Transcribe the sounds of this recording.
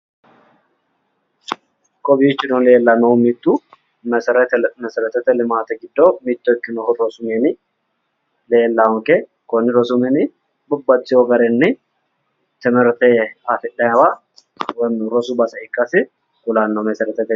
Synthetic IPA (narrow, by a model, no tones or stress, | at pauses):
kʼɔbiːt͡ʃːɪnɔleːlːɐmɐʊmit̪ːu | mɛsɾt̪mɛsɛɾɛt̪ɛt̪ɛlɪmaːt̪ɐɡɪd̪ːoːmit̪ːɔɪkʼːɪnɔhɔɾɔsʊmeːnɪ | le̞ːlːaʊŋke | kɔnːɪɾɔsʊmɛnɪ | bʊbːɐt͡sʼːɪjoɡɐɾɛnːɪ | t̪ɪmɪɾt̪eːafɪᶑɐɐba | wɐmɾɔsʊbɐsɐɪkʼːɐsɪ | kʊlaːnːɔmɛsɛɾɛt̪ɛt̪ɛ